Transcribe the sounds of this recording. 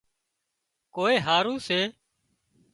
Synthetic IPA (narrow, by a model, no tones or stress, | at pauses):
koːeːɦaːɾũːseː